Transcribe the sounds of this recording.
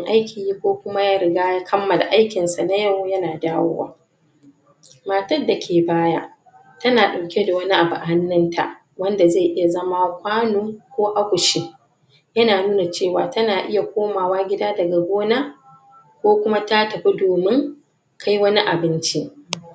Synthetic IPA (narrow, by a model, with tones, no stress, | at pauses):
ŋʔa˦jkʲʰiː˨ji˦kʷoː˦kʷʊ˦ma˦jaː˦ɾɪ˨ɡaː˦jaː˦kʰɐ˦mːɐ˨la̰˨ʔa˦jkʲɪ˨nsa˨na˦jɐ˦wjɐ˦naː˨daː˦wo̰ː˦wa̰ː˦ | maː˨tɐ˦dːa˨kʲʰeː˨baː˦ja̰˦ | tɐ˦naː˨ɗa˨wkʲe˦da˨wɐ˦ni˦ʔa˨bʊ˨ʔa˨ha˦nːɐ˦ntʰa̰˨ʔ | wɐ˦nda˨ze˦˨ʔɪ˦ja˨zɐ˦ma˦kʷaː˦noː˦kʷoː˦ʔa˦kʷʊ˨ʃi˦ | jɐ˦naː˨nuː˦na˨t͡ʃeː˦˨waː˨tɐ˦naː˨ʔɪ˦ja˨kʷoː˦maː˨waː˦ɡʲɪ˦daː˦dɐ˨ɡa˨ɡʷoː˦na˦ | kʷoː˦kʷʊ˦ma˦ta˦tɐ˨ɸi˦doː˨mɪ˦ŋ | kʰa˦jwɐ˦ni˦ʔa˨bɪ˦nt͡ʃi˦